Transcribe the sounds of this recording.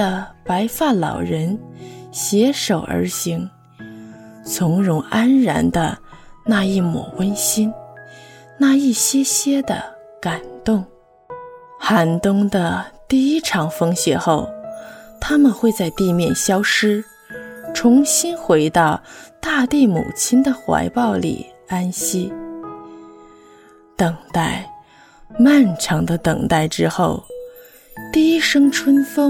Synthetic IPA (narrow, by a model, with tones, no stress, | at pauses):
ə˧pa˧˥ɪfa˥˩nlɑ̰˨˩ʊɻə˧˥nɕjɛ˧˥ʂo˨˩ʊʔə̰˞˧˥ɕi˧˥ŋ | t͡sʰʊ˧˥ŋɻʊ˧˥ŋa˥nɻa̰˧˥nd̪ə˧na˥˧i˥˩mwɔ̰˨˩wə˥nɕi˥n | na˥˧i˥˩ɕjɛ˥ɕjɛ˥d̪ə̰˨˩ | ka˨˩nt̪ʊ˥˩ŋ | xa˧˥nt̪ʊ˥ŋd̪ə˧˨t̪i˥˩i˥ʈ͡ʂʰɑ˧˥ŋfɤ˥ŋɕjɛ˧˥xo˥˩ʊt̪ʰa˥mə˨nxwe˥˧ɪt͡sa˥˧ɪt̪i˥˧mjɛ˥˩nɕjɑ˥ʊʂɻ̩˥ | ʈ͡ʂʰʊ˧˥ŋɕi˥nxwe˧˥ɪt̪ɑ˥˩˧ʊt̪a˥˧t̪i˥˩mṵ˨˩t͡ɕʰi˥nd̪ə˨xwa̰˧˥ɪpɑ˥˩ʊlḭ˨˩ | a˥nɕi˥ | t̪ɤ˨˩ŋt̪a˥˩ɪ | ma˥˩nʈ͡ʂʰɑ˧˥ŋd̪ə˧t̪ɤ˨˩ŋt̪a˥˩ɪʈ͡ʂɻ̩˥xo˥˩ʊ | t̪i˥˧˩i˥ʂɤ˥ŋʈ͡ʂʰwə˥nfɤ˥